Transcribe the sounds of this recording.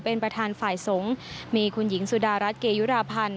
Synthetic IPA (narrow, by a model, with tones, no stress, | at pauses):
pe˧npɾa˧t̪ʰaː˧nfaː˨˩jso˩˦ŋ | miː˧kʰu˧nji˩˦ŋsu˧˩daː˧ɾa˦˥t̪̚keː˧ju˦˥ɾaː˧pʰa˧n